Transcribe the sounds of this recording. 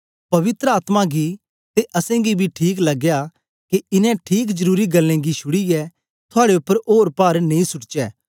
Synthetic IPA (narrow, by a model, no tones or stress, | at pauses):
pɐʋɪt̪ɾəaːt̪mãɡi | t̪eʔɐsɛ̃ɡibʱiʈʰiːklɐɡja | kiɪnɛ̃ʈʰiːk̬d͡ʒɐɾuːɾiɡɐlːẽɡiʃʰʊɽiɛ | t̪ʰʊaːɽeʊpːəɾoːɾpaːɾnẽĩsʊʈt͡ʃɛː